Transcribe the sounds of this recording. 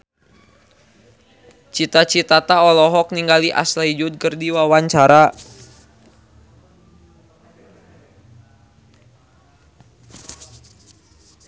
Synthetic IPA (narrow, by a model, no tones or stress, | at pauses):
t͡ʃit̪at͡ʃit̪at̪aɔlɔɦɔk̚niŋɡaliʔa̰slaid͡ʒʊt̪̚kərdiwawaɲt͡ʃaɾa